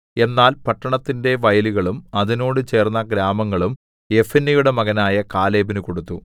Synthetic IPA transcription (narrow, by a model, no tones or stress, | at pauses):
e̞nːaːlpɐʈːɐɳɐt̪ːinde̞ʋɐjɐluɣɐɭumɐðino̞ːɽɨt͡ɕe̞ːrnːɐɡɾaːmɐŋːɐɭum | e̞fenːijuɽe̞mɐɣɐnaːjɐkaːle̞ːbinɨko̞ɽut̪ːu